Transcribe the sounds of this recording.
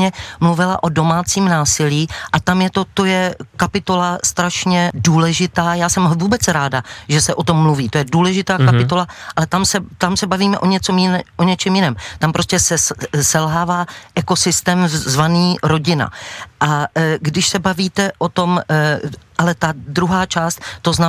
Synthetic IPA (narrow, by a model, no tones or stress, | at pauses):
ɛmluvɪlaʔo̞do̞maːt͡siːmnaːsɪliːʔat̪amjɛt̪o̞t̪o̞jɛkapɪt̪o̞last̪ɾaʃɲɛduːlɛʒɪt̪aːjaːsɛmvuːbɛt͡sɾaːdaʒɛsɛʔo̞t̪omːluviːt̪o̞jɛduːlɛʒɪt̪aːkapɪt̪o̞laʔalɛt̪amsɛt̪amsɛbaviːmɛʔo̞ɲɛt͡somjɪʔoɲɛt͡ʃɛmjɪnɛːmt̪ampɾo̞scɛsɛsɛlɦaːvaːʔɛko̞sɪst̪ɛːmzvaniːɾo̞ɟɪna̰ʔaɡdɪʃsɛbaviːt̪ɛʔo̞t̪o̞m | ʔalɛt̪adɾuɦaːt͡ʃaːst̪t̪ːo̞zna